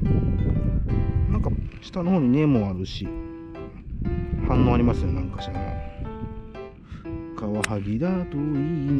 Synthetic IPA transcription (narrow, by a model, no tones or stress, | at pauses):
nãŋkaɕi̥t̪anoho̞ːɲ̟inemoaɾɯ̟ɕi | hãnːoːaɾʲimasɨjonãŋkḁɕt̪aɾa̰ | kaβahaɡʲid̪at̪oin